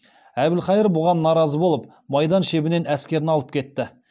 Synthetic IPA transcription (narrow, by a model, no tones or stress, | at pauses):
æbɪlχɑjəɾbʊʁɑnːɑɾɑzəbo̞lˠəp̚ | mɑjd̪ɑnʃe̞bɪne̞næskʲe̞ɾɪnɑlˠəp̚kʲʰe̞t̪ːɪ